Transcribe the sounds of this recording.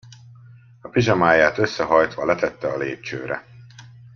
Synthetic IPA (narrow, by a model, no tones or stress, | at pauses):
ɒpiʒɒmaːjaːt̪ø̞sːɛɦɒjt̪ʋɒlɛt̪ɛt̪ːɛɒleːp̚t͡ʃø̰ːɾɛ̰